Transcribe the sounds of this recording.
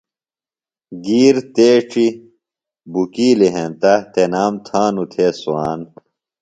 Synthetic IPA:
ɡiːɾt̪eːʈ͡ʂi | bukiːliɦẽnt̪ɐt̪enaːmt̪ʰaːnut̪ʰeːsuaːn

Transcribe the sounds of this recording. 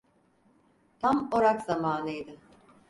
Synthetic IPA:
t̪ʰamoɾakzamaːnɯjd̪ɯ

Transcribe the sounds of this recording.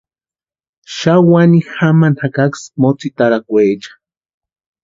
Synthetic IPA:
ʃawanixamanakaksmot͡sit̪aɾakʷeːt͡ʃḁ

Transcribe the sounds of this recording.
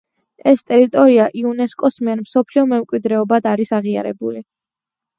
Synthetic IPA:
ɛst̪ʼɛɾit̪ʼɔɾiaʔiunɛskʼɔsmiɛɾmsɔpʰliɔmɛmkʼwid̪ɾɛɔbad̪aɾisaʁia̰ɾɛ̰buli

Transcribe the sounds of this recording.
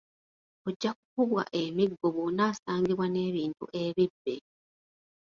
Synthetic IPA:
o̞ɟːak̚ukuβwa̰ʔemiɡːo̞βonaːsaːŋɡiβwane̞ːβiːntṵʔe̞βibːe

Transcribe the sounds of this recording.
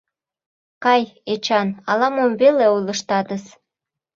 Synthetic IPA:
kɑjet͡ɕɑnɑlɑmomveleulə̆ʃt̪ɑd̪əs

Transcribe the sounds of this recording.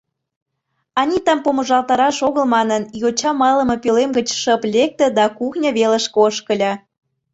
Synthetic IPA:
ɑnʲit̪ɑmpomə̆ʒɑlt̪ɑɾɑʃoɣə̆lmɑnənjot͡ɕɑmɑlə̆mɤ̆pølemɡət͡ɕʃəplʲek̚t̪ə̆d̪ɑkuxnʲɤ̆βeləʃkoʃkəlʲɑ

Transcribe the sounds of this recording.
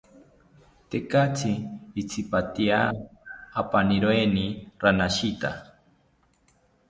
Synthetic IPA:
t̪ekat͡sʰiːt͡sʰipat̪iaː | paniɾoeniɾanaʃit̪a̰

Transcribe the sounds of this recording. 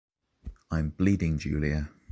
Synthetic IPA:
ãɪ̃mb̥liːdɪ̃ŋd͡ʒʉ̰ːliə

